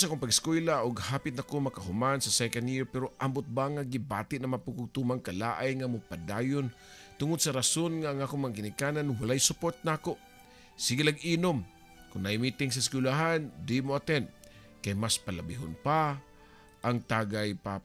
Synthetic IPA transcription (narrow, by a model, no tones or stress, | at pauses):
sakoŋpaɡɪskwɛlaʔʊɡhaːpɪt̪̚nakomakaɦʊmansɐsɛkɛnjiɹpɛɾoʔambʊt̪̚baŋaɡɪba̰ːt̪ɪʔnɐmapʊkʊɡ̚t̪umaŋkalaːʔajŋamʊpad̪aːjʊn | t̪ʊŋʊd̪̚saɾasonŋaːŋaːkʊŋmaŋaɡɪnɪkaːnanwalajsʊpot̪̚nakoʔ | siɡɪlaɡinom | kʊŋnaɪmit̪ɪŋsɐsɪ̥kʊlaɦand̪imoat̪ɛnt̪̚ | kajmaspalabɪɦonpa | ʔaŋt̪aːɡajpa